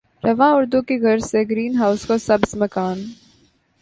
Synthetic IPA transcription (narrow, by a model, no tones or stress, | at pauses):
ɾɐʋãːʊɾd̪ũkiɣɐɾseɡɾiːnɦaːʊskosɐbsmɐkaːn